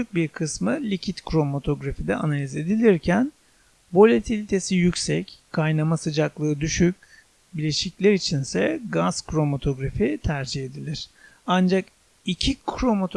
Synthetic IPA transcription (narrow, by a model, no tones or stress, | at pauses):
yc̚biɾkʰɯsmɯlʲicʰit̪kɾo̞mot̪ʰo̞ɡɾafid̪ɛʔanalʲize̞d̪ilʲiɾcʰæn | bo̞lʲet̪ʰilʲit̪ʰe̞sijycsɛckʰːajnamasɯd͡ʒaklˠɯːd̪yʃyc̚ʲ | bilʲeʃiclʲæɾit͡ʃʰinsɛɡaz̥kɾo̞mot̪ʰo̞ɡɾafit̪ʰæɾd͡ʒihe̞d̪ilʲiɾ̥ | and͡ʒak | icʰikʰɾo̞mot̪ʰ